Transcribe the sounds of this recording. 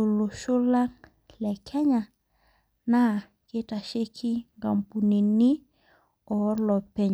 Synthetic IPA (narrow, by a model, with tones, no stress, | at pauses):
o˨lo˨ʃo˦la˦ŋ | lɛ˨kʰɛ˦ɲa˨ | na˦˨ | ke˦ta˨ʃe˦kʰi˦ŋɡa˨mpu˨ne˨ni˦ | ɔ˨lɔ˨pɛ˨ɲ